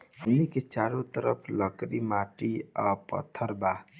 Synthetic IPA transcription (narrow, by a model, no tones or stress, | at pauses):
uniket͡ʃaɾot̪əɾəpʰlʌkɾimaʈiʌpʌ̰t̪ʰːəɾba